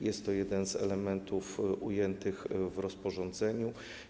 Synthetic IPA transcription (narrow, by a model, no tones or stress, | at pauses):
jɛst̪ːɔjɛd̪ɛnzɛ̰lɛmɛnt̪ufʔujɛnt̪ɘxvɾɔspɔʐɔnd̪zɛɲu